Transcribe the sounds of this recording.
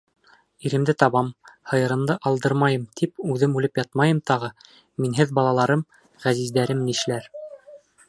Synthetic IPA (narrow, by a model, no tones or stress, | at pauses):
iɾɘ̆md̪ɘt̪ɑβɑmhɤ̆jɤ̆ɾɤ̆md̪ɤʔɑlˠd̪ɤɾmɑjɤmt̪ʰipʉðɘmʉlɘpjɑt̪̚mɑjɤmt̪ɑʁɤ | minɦɘðbɑlˠɑlˠɑɾɤm | ʁæzizd̪æɾɘmniʃlæɾ